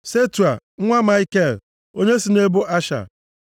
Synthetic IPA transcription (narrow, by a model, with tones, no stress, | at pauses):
se˦tu˨a˨˦ŋʷa˦ma˦ɪ˦ke˦˨l | o˦ɲe˦si˨ne˦bʊ˦ʔa˦ʃa̰˨